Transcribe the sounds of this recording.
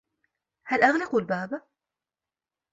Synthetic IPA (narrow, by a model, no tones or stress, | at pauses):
halʔaɣnɑqwlbaːb